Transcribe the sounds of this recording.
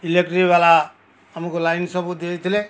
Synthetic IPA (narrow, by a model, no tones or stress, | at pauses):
ilek̚ʈɾibala | amukolajnsɔbud̪et̪ʰile